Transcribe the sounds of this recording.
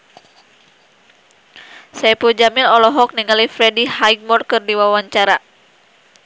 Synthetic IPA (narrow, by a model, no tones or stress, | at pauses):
sajpud͡ʒamilɔlɔɦɔk̚niŋalifɾɛdihajɡ̚mɔrkɨrdiwawaɲt͡ʃaɾa